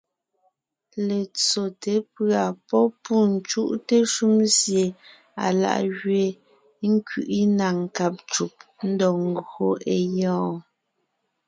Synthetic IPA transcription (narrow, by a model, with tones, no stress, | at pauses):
le˨t͡so˨te˨˦pɰa˨pɔ˦pu˦˨n̩˨t͡ʃu˦ʔte˦ʃu˦msje˨ | a̰˨la̰˨ʔɣɥe˨ | ŋ̩˦kɥḭ˨ʔi˦na˨ŋ̩˨ka˦˨p̚t͡ʃu˨p̚n̩˦dɔ˨ŋ̩˦ɡo˦˨e˨jɔ̃ː˦